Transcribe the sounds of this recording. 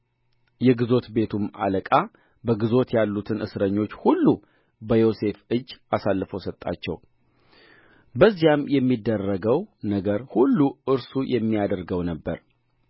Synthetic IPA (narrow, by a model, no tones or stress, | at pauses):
jɛɡɨzo̞t̪be̞t̪ʰuma̰ləkʼa | bəɡɨzo̞t̪ʰjalːut̪ʰɨnɨ̰sɾəɲːo̞t͡ʃːhulːu | bəjo̞se̞fɨd͡ʒːasalːɨfəwsət̪ʼːa̰t͡ʃːɛ̰w | bəzːijamjɛmːid̪ːərːəɡəwnəɡəɾhulːuʔɨɾsujʔɛmːijad̪əɾɡəwnəbːə̰ɾ